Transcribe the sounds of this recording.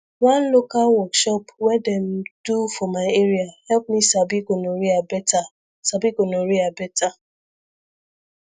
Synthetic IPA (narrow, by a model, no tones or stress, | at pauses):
wãnlokalwɔkʃɔpwɛdɛmd̥ufɔmaɪeɹiahɛlp̚misabiɡonoɾiabɛta | sabiɡonoɹiabɛtʰa